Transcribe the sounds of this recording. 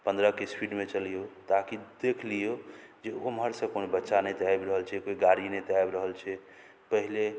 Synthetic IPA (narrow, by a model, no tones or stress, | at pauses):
pə̃nd̪ɾəkespiɖmet͡ʃəlijot̪akid̪ekʰlijo | d͡ʒeomɦəɾsə̃konobətːʃanət̪ajbɾəɦəlt͡ʃʰɛkoiɡaɾinəjt̪ajbɾəɦəlt͡ʃʰɛ | pəɦile